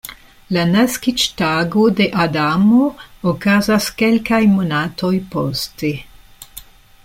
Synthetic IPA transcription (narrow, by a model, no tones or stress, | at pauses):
lanɛskit͡ʃt̪aːɡod̪eʔad̪aːmookaːzaskɛlkajmonaːt̪ɔjpɔst̪i